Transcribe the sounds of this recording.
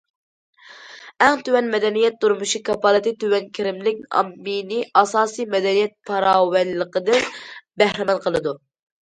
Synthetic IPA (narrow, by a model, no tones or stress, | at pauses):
æŋt̪ywɛnmɛd̪ɛnijɛt̪̚d̪uɾmuʃikʰɑpʰɑlˠɨt̪it̪ywɛnkʲʰiɾɪmlɪk̚ʲɑ̰mːinɪʔɑsɑːsɨjmɛd̪ɛnijɛt̪̚pʰɑɾɑːwɛlːəqəd̪ɪnbæhɾɪmɛnqʰəlˠɨd̪u